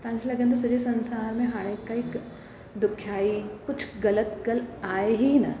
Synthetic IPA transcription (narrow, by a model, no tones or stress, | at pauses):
t̪ɐãnd͡ʒʰelɐɡẽnt̪os̬ɐɾesɐ̃nsaːɾmẽɦaːɽekaik | d̪ʊkʰːjaːikʊt͡ʃʰɡɐlət̪ɡɐlaːeɦinɐ